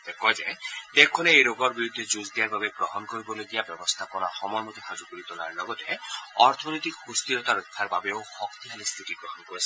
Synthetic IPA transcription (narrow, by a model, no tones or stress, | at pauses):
d̪ekɔd͡ʒed̪ekʰːɔneejɾoɡɔɾbiɾud̪ʱːed͡ʒuzd̪iaɾbabebɾɔɦɔnɔkoɾibɔloɡijabjɔbɔst̪ʰapɔnɔxɔmɔjmɔt̪eɦad͡ʒukuɾit̪ɔla̰ɾlɔɡɔt̪eɔɾt̪ʰɔnɔjt̪ikhust̪iɾɔt̪aɾut̪ʰːaɾbabeohɔkt̪iɦalest̪ʰiʈipɾɔɦɔnɔkɔɾisʰi